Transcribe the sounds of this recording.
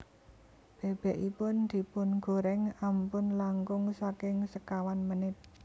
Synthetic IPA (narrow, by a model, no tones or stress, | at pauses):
b̥e̤b̥ɛʔipʊnd̪̥i̤pʊnɡ̥o̤ɾɛŋampʊnlaŋkʊŋsakɪŋsəkawanmənɪt̪̚